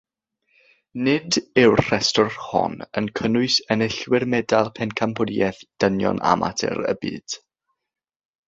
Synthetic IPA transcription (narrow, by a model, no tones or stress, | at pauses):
nɪdɪwr̥ɛstɔrhɔ̰nənkʰənʊɨsɛnɪɬwɪrmɛdalˠpʰɛnkʰampʰʊdiɛθd̥ənjɔ̰na̰mʔa̰tʰɛ̰ɾə̰bḭːd̥